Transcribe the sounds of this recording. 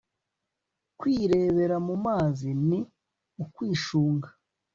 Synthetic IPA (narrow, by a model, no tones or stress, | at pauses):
kwiːɾe̞βe̞ɾamumaːzini | ukwiːʃuːŋɡḁ